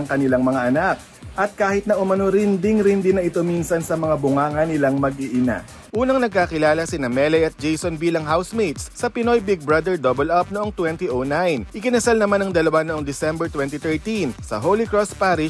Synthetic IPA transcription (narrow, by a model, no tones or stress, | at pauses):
ɐŋkɐnɪlaŋmɐŋaʔɐnak̚ | ʔɐt̪̚kaːhɪt̪̚nɐʔʊmɐnoɾɪnd̪ɪŋɾɪnd̪ɪnːɐʔɪt̪o̞minsɐnsɐmɐŋabʊŋaːŋɐnɪlaŋmɐɡʔɪʔɪna̰ | ʔuːnɐŋnɐɡ̚kaːkɪlaːlɐsɪnɐmɛlɛjʔɐt̪̚d͡ʒejsonbiːlɐŋɦawsmejt̪ssɐpɪno̞jbɪɡ̚bɹɐd̪ɛɹd̪obɛlʔɐp̚noʔoŋt̪wɛnt̪iʔownajnʔɪkɪnɐsalnɐmanɐŋd̪ɐlɐwanoʔo̞ŋd̪ɪsɛmbɛɹt̪wɛnt̪it̪ɛɹt̪insɐ̰ɦolikɹospaːɾɪ